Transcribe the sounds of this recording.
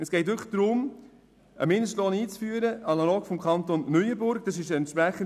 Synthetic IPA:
ɛsɡ̥ɛɪtʋʏχd̥ɾʊm | ə̰mɪndəʃtloːniːt͡sfyːəɾəɑnɑloːkfɔmkʰɑnt̪onːœʏəbʊɾɡd̥ɑs̬ɪʃəɛntʃpɾæχən

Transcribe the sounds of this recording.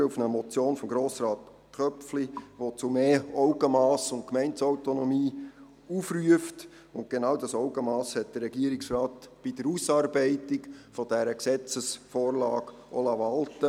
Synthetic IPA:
ufnəmɔt͡sjoːnfɔmɡɾoːsrɑːt̪ | kʰœpfliʋot͡sumeːɔʊɡəmɑːsʊntkmɛɪntsaʊtonɔmiː | ufryəft | ʊnt̚ɡ̥enɑwdɑsɔʊɡəmɑːshɛt̚d̥ərːɛɡ̥iəɾɪksrɑːtb̥id̥əɾusɑːɾbɛɪtɪkfɔd̥æɾəksɛt͡səsfoːɾlɑːɡ | ʔɔ̰lɑʋɑltə

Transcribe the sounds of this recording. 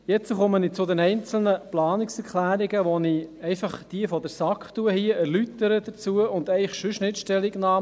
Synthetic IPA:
jɛt͡səχɔmənit͡sʊd̪ɛnɛɪnt͡sl̩nəplɑːnɪksɛɾklæːɾiɡəʋɔniɛɪfɑχd̥iəfɔd̪əɾsɑkχt̪uəhiəæɾlyt̪əɾəd̥̪ət͡suəʊnd̪ɛɪχʃøʃnɪtʃtɛliɡnɑː

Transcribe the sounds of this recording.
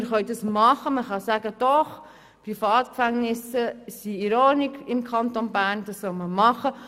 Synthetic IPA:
əɾχœɥdɑsmɑχəməχɑsæːɡəd̥ɔχ | prifɑːt̪kfæŋnɪsəsiiɾoːnikɪmkʰχɑnt̪onbæːrnd̥̪ɑsːɔlməmɑχə

